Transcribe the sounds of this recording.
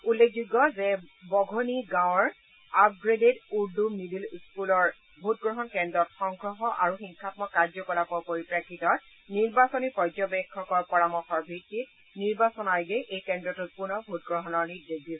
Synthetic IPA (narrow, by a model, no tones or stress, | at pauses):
ulːek̚ʰzuɡːɔzɛbɔɡʱoniɡãw̃ɔɹ | ap̚ɡɹededuɹdunibilskulɔɹ | bʱut̚ɡɹɔɦɔnkɛndɹɔtxɔŋɡɹɔɦɔʔaɹuxiŋkʰatmɔkaɹzɔkɔlapɔpoɹipɹakʰːitɔ | niɹbasɔnipɔjzɔbɛkʰːɔkɔɹpɔɹamɔxɔɹbʱitːit̚ | niɹbasɔnajɡɛʔejkɛndɹɔtut̚punɔbʱut̚ɡɹɔɦɔnɔɹnideɡdis